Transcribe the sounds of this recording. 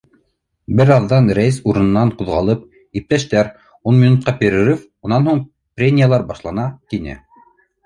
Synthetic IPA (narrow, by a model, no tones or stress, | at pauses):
bɘɾɑðːɑnɾæjɘsuɾɤ̆nɤ̆nːɑɴquðʁɑlˠɤp̚ | ip̚t̪æʃt̪æɾ | unmʲinut̪̚qɑpʲeɾʲĕɾif | unɑnhuɴ | prʲenʲijalˠɑɾbɑʃlˠɑnɑt̪inɘ̰